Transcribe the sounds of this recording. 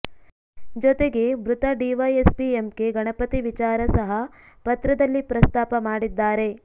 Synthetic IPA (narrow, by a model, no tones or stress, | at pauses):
d͡ʒɔt̪eɡe̞bɾut̪ɐɖiʋɐjespiemke̞ɡɐɳɐpɐt̪iʋit͡ʃaːɾɐsɐɦɐ | pɐt̪ɾɐd̪ɐlːipɾɐst̪aːpɐmaːɽid̪ːaːɾe̞